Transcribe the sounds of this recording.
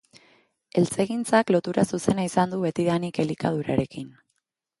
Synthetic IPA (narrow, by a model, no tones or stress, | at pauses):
e̞lt͡se̞ɣint͡saklo̞t̪uɾasuse̞naisand̪uβe̞t̪iðanike̞likað̞uɾa̰ɾe̞kin